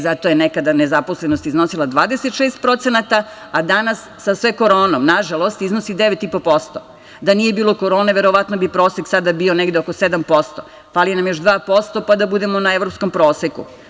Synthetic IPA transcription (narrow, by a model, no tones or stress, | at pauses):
zat̪ojenekad̪anezaposlenost̪izno̞silˠad̪ʋaːd̪eset̪ʃeːst̪̚pɾo̞t̪senat̪a | ad̪anasːasʋeko̞ɾo̞ːnomnaʒalˠo̞st̪iznosid̪eʋet̪ipo̞po̞st̪o | d̪anije̞biːlˠo̞ko̞ɾo̞ːneʋe̞ɾo̞ʋat̪nobipɾo̞ːseksad̪abio̞neɡd̪eoko̞sed̪ampo̞st̪o̞̰ | falijenamjoʒd̪ʋaːpo̞st̪o̞pad̪abud̪emonaeʋɾopskompɾo̞ːsekṵ